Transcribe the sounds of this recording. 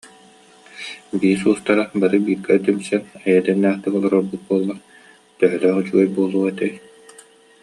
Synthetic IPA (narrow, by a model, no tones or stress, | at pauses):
biːsuːst̪aɾabaɾɯbiːɾɡɛt̪ymsɛnɛjɛd̪ɛnːæːχt̪ɛkɔlˠaɾɔɾbut̪̚buɔlˠːaɾ | t̪œɦœlœːχyt͡ɕuɡɛjbuɔlˠuːɛt̪ɛj